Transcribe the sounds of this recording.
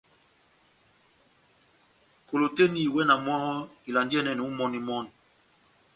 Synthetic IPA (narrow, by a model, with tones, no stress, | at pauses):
ko˨lo˨te˦ni˦˨wɛ˦na˨mwa˦hɔ˦i˨la˨ndi˦ɛ˦nɛ˨nu˨u˦mɔ˦ni˦mɔ˦˨n